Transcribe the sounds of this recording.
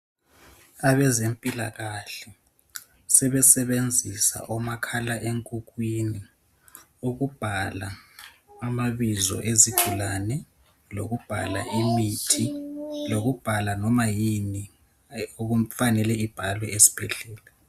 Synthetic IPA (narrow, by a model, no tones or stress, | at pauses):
aβɛzempʼila̰ɣaɬɛ | sɛβɛsɛβend͡zʱisa̰ʔɔmakʰalaʔeŋkʼuɣwini | uɣub̥ʱalaː | maβizɔ̰ʔeziɡʱulanɛ | lo̰ɣub̥ʱa̰la̰ʔimitʰiloɣub̥ʱalanɔmajini | oufanɛlɛib̥ʱalwɛesi̥b̥ʱɛɮɛːla